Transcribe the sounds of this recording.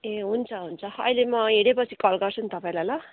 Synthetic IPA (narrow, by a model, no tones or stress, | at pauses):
eɦunt͡sʰʌɦunt͡sʰʌʌ̰jlemʌɦeɽepʌt͡sʰikʌlɡʌrt͡sʰunt̪ʌpaĩlajla